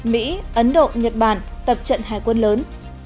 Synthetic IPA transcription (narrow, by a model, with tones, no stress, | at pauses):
mḭ˧˥ʔə˨˦nɗo̰˧˨ɲə˨˩t̚ɓaː˧˩nt̪ə˨˩p̚t͡ɕə̰˧˨nɦaː˨˩jkwə˧nləː˨˦n